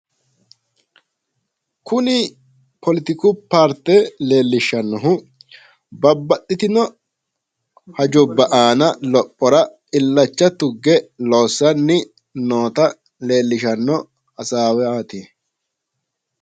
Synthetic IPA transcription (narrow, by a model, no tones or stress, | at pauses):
kʊnɪ | pɔlɪt̪ɪkʊpaːɾt̪ɛle̞ːlːɪʃɐnːɔɦʊ | bɐbːɐtːɪt̪ɪnɔ | hɐd͡ʒʊbːɐʔaːnɐlɔpʼːɔɾɐ | ɪlːɐt͡ʃːɐt̪ʊɡːɛlo̞ːsːɐnːɪ | noːt̪ɐ | le̞ːlːɪʃɐnːɔ | ɐsaːwɛaːt̪eː